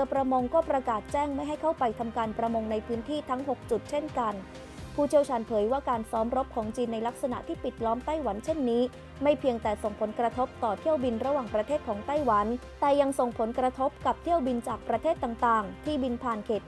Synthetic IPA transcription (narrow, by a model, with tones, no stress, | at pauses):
ɯ˧pɾa˧mo˧ŋkɔː˥˩pɾa˧kaː˨˩t̪̚t͡ɕɛː˥˩ŋma˥˩jɦa˥˩jkʰa˥˩wpa˧jt̪ʰa˧mkaː˧npɾa˧mo˧ŋna˧jpʰɯː˦˥nt̪ʰiː˥˩t̪ʰa˦˥ŋɦo˨˩k̚t͡ɕu˨˩t̪̚t͡ɕʰe˥˩nka˧n | pʰuː˥˩tʰi˥˩əwt͡ɕʰaː˧npʰɤː˩˦jwaː˥˩kaː˧nsɔː˦˥mɾo˦˥p̚kʰɔː˩˦ŋt͡ɕiː˧nːa˧jla˦˥k̚sa˧na̰˨˩ʔt̪ʰiː˥˩pi˨˩t̪̚lɔː˦˥mt̪a˥˩jwa˩˦nt͡ɕʰe˥˩nːiː˦˥ | ma˥˩jpʰi˧əŋt̪ɛː˨˩so˨˩ŋpʰo˩˦nkɾa˧t̪ʰo˦˥p̚t̪ɔː˨˩t̪ʰi˥˩əwbi˧nɾa˧waː˨˩ŋpɾa˧t̪ʰeː˥˩t̪̚kʰɔː˩˦ŋt̪a˥˩jwa˩˦n | t̪ɛː˨˩ja˧ŋso˨˩ŋpʰo˩˦nkɾa˧t̪ʰo˦˥p̚ka˨˩p̚t̪ʰi˥˩əwbi˧nt͡ɕaː˨˩k̚pɾa˧t̪ʰeː˥˩t̪ːa˨˩ŋt̪aː˨˩ŋt̪ʰiː˥˩bi˧npʰaː˨˩nkʰeː˨˩t̪̚